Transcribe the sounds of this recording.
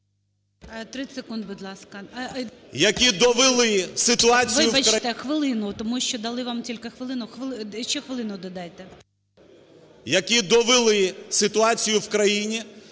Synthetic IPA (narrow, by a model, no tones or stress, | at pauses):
t̪ɾɪsekund̪̚bud̪lˠɑskɐ | jɐkʲid̪ɔʋɪlˠɪsɪt̪ʊɑt͡sʲʋiɪjʊbɐt͡ʃt̪ɛxʋɪlˠɪnʊt̪ɔmuʃt͡ʃɔd̪ɐlˠɪʋamtʲilʲkexʋɪlˠɪnʊxʋɪlˠɪt͡ʃɛxʋɪlˠɪnʊd̪ɔd̪ɑjt̪ɛ | jɐkʲid̪ɔʋɪlˠɪsɪt̪ʊɑt͡sʲijʊwkɾɐjinʲi